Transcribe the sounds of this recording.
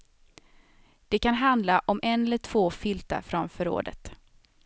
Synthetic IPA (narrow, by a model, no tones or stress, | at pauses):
d̪̥ɛkanɦand̪laʔɔmʔɛnːɛlːəʈʰv̥oːfɪlt̪a̰ɾfɾɔnfœɾo̰ːd̪ə̰t̪